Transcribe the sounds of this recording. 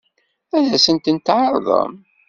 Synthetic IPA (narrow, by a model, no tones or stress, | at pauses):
æðæsənt̪ənt̪ʕəɾˤðˤə̰m